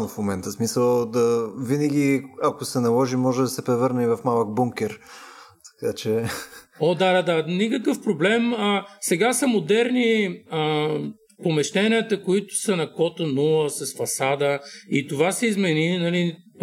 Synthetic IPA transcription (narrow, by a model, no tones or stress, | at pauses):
nʊfmomɛnt̪əsmisəlˠd̪ɐvinəɡʲiɐkosɛnɐlˠɔʒimɔʒɛd̪ɐsɛpɾɛvɤɾnɐivɐfmalˠəɡ̚buŋkʲɛɾt̪ɐ̥kat͡ʃɛ | od̪ad̪ad̪anikəkəfpɾoblɛməsɛɡasəmod̪ɛɾniə | pomɛʃt̪ɛnʲiət̪əkoit̪ʊ̥sənɐkɔt̪ənulˠəsɐsfɐsad̪əit̪ovasɛizmɛninɐli